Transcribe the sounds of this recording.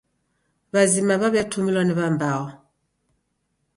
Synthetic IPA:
βazimaβaβɛtʰumilwɔniβambaɣɔ

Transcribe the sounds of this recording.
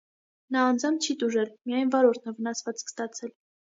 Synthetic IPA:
nɑːnd͡zɑmt͡ʃʰit̪uʒɛlmijɑjnvɑɾɔɾt̪ʰnəvənɑsvɑt͡skʰst̪ɑt͡sʰɛl

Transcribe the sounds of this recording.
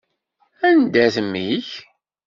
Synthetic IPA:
ænd̪æθəmːiç

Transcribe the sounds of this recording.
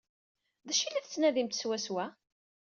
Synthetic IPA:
ðæʃilæθt͡sːnæðimt̪swæswæ

